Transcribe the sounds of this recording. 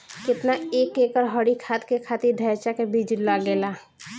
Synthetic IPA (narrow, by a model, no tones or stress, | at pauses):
kɪt̪naeːkeːkəɾɦɔɽikʰaːt̪kekʰaːt̪iɾɖʱɛt͡ʃakebʱiːd͡ʒlaɡeːlaː